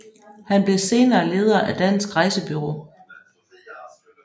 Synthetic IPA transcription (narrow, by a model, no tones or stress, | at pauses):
hænb̥le̝se̝ːnɐːle̝ːð̞ˠɐʔæd̥æn̰sɡ̥ʁɑ̈ɪsəb̥yʁo̝ː